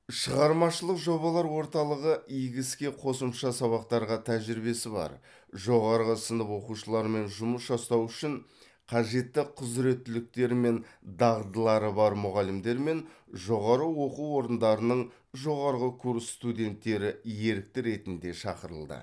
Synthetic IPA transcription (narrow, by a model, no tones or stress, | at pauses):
ʃəʁɑɾmɑʃəlˠəqʒo̞βɑlˠɑɾwo̞ɾt̪ɑlˠəʁəʔijɡʲɪskʲe̞qʰo̞səmʃɑsɑβɑqt̪ɑɾʁɑt̪ʰæʒɪɾbe̞sɪbɑ̰ɾ | ʒo̞ʁɑɾʁəsənəpwo̞quʃəlˠɑɾme̞nʒʊməsʒɑst̪ɑwʏʃɪɴ | qʰɑʒe̞t̪ːɪqʰʊzɾe̞t̪ːɪlɪk̚t̪e̞ɾme̞nd̪ɑʁd̪əlˠɑɾəbɑɾmʊʁɑlɪmd̪e̞ɾme̞nʒo̞ʁɑɾəwo̞quwo̞ɾənd̪ɑɾənəɴ | ʒo̞ʁɑɾʁəkʰuɾsst̪ud̪ʲe̞nt̪ːe̞ɾɪje̞ɾɪk̚t̪ɪɾe̞t̪ɪnd̪e̞ʃɑqəɾə̰lˠd̪ə̰